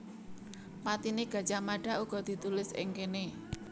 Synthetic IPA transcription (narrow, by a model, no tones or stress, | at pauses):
mat̪ineɡ̥ä̤̥t͡ʃamaɖ̥a̤ʔuɡ̥ɔ̤d̪̥i̤t̪ulɪsɪ̰ŋkene